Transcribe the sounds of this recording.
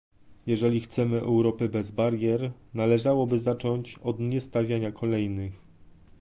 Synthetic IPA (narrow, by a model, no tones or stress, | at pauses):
jɛʐɛlʲixt̪sɛmɘʔɛ̰wɾɔpɘbɛzbaɾjɛɾnalɛʐawɔbɘzat͡ʂɔɲt͡ɕɔd̪ɲɛst̪avʲjaɲakʰɔlɛjnɘx